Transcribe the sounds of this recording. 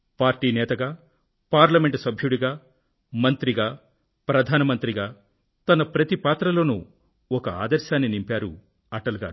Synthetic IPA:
paːɾʈiːnɛːt̪ɐɡaː | paːɾlɐmeɳʈsɐbʱjuɽiɡaː | mɐnt̪ɾiɡaː | pɾɐd̪ʱaːnɐmɐnt̪ɾiɡaː | t̪ɐnɐpɾɐt̪ipaːt̪ɾɐlo̞ːnṵ | ɔkɐa̰ːd̪ɐɾʃaːnːinimpaːɾṵ | ɐʈɐlɡa̰ː

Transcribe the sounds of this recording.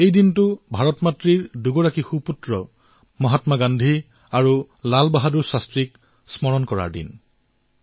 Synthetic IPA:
ejdintʊbʱaɹɔtmatɹiɹduɡɔɹakixuputɹɔ | mɔɦatmaɡandʱi | aɹu | lalbaɦaduɹsastɹik̚ | smɔɹɔnkɔɹa̰ɹdḭn

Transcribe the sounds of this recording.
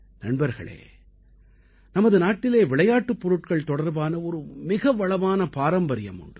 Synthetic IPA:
nɐɳbɐɾɣɐ̰ɭḛː | nɐmɐðɯnaːʈːɪleːʋɪɭɐjaːʈːɯpːɔɾɯʈ̚kɐɭt̪ɔɽɐɾbaːnɐɔɾɯmɪɣɐʋɐɭɐʋaːnɐpaːɾɐmbɐɾɪjɐ̰mʊ̰ɳɖɯ

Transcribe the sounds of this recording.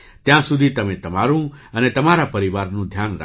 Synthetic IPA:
t̪jãsud̪ʱit̪əmẽt̪əmaɾũənet̪əmaɾapəɾiʋaɾnũd̪ʱjaːna̰

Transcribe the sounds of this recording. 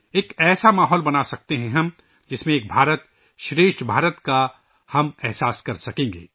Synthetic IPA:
eːkɛːsamaːɦɔːlbɐnasɐk̚t̪eɦɛ̃ɦɐ̃m | d͡ʒɪsmẽeːk̚bʱaːɾət̪ | ʃɾeːʃʈbʱaːɾət̪ka | hɐmɛɦsaːskɐɾsɐkẽːŋɡḛː

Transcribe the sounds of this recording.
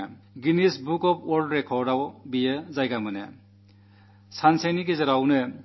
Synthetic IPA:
ɡinisbukɔpwɔldɾekʰɔɾdawbijɯzajɡamɯnḛ | sanseniɡezɐɾawnɯ

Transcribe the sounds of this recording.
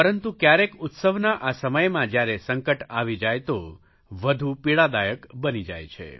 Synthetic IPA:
pəɾənt̪ukjaɾekʊt̪səʋnaʔasəməjmãd͡ʒjaɾesəŋkəʈaʋid͡ʒajt̪o | ʋəd̪ʱũpiɭad̪ajəkbənid͡ʒa̰jt͡ʃʰḛ

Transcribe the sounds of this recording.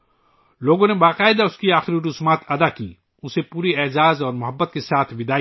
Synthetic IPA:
loːɡõnebaːqaːɪd̪aʊskiaːxɪɾiɾʊsmaːt̪ɐd̪akḭː | ʊsepuːɾiɛːzaːzɔːɾmʊɦəbːət̪̚kesaːt̪ʰʋɪd̪aː

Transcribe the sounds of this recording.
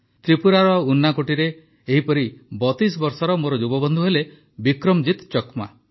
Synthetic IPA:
t̪ɾipuɾaɾɔunːakoʈiɾeː | ɦipɔɾibɔt̪is̬ɔbɔɾsɔɾɔmoɾɔd͡ʒubɔbɔnd̪ʱuɦele | bikɾɔmd͡ʒit̪t͡ʃɔkma̰

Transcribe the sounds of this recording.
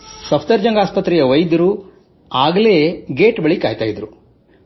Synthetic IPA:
sɐpʰt̪ɐɾd͡ʒɐŋɡaːspɐt̪ːɾɛjɐʋɐjd̪ɐɾu | aːɡleːɡeːʈbɐɭikaːjt̪aːjid̪ɾu

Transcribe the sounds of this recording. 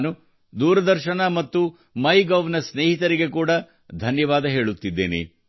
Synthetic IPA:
nu | d̪uːɾɐd̪ɐɾʃɐnɐmɐt̪ːu | mɐjɡɐːʋnɐsneːɦit̪ɐɾiɡe̞kuːɽɐ | d̪ʱɐnjɐʋaːd̪ɐɦe̞ːɭut̪ːid̪ːe̞̰ːnḛ

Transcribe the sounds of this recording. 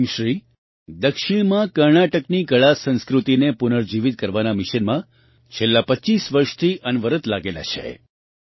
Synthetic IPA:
mʃɾi | d̪əkʃɪɽ̃mãkəɾɳaʈəkniɡəɭasə̃nskɾut̪inepunəɾd͡ʒiʋit̪̚kəɾʋanamɪʃənmã | t͡ʃʰelːapəːt͡ʃːisʋəɾʃt̪ʰiʔənʋəɾət̪laɡela̰t͡ʃʰḛ

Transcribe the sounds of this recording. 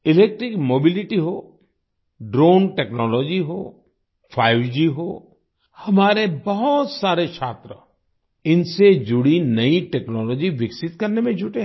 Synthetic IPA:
ɪleːk̚ʈɾɪkmoːbilɪʈiɦoː | ɖɾoːnʈeːknɔːlɔːd͡ʒiɦoː | pʰaːɪʋd͡ʒiɦoː | hɐmaːɾebɐɦɔt̪saːɾet͡ʃʰaːt̪ɾə | ɪnsed͡ʒʊɽinɐiʈeːknɔːlɔːd͡ʒiʋɪksɪt̪kɐɾnemẽd͡ʒʱʊʈe

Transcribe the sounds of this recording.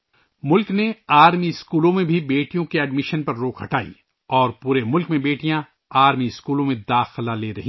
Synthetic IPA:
mʊlkneaːɾmiɪskuːlõmẽbʱibeːʈijõkeɛːɖmɪʃənpɐɾːoːkʰɦɐʈaːḭ | ɔːɾpuːɾemʊlkmẽbeːʈijã | aːɾmiɪskuːlõmẽd̪aːxlaleːɾɐɦi

